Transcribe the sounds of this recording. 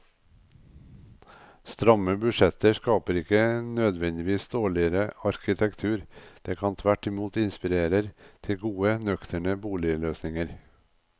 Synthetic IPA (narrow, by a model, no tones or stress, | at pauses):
st̪ɾɑməbʉʃɛt̪əʃkɑːpəɾɪkənœd̪ʋɛnd̪ɪʋiːsd̪oːɭɪəɾəɑɾkɪt̪ʰɛkt̪ʰʉːɾd̪̥eːkʰɑːnt̪ʰʋæʈɪmuːt̪ɪnspɪɾeːɾəɾt̪ʰɪɡuːənœkt̪ʰəɳəbuːlɪəløːsnɪŋəɾ